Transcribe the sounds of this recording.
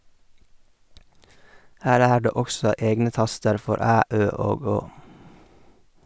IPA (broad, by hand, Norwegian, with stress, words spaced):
ˈhæːɾ ˈæː ˈɖeː ˈɔksɔ ˈeːɡnə ˈtɑstəɾ ˈfɔɾ ˈæː ˈøː ˈoːɡ ˈoː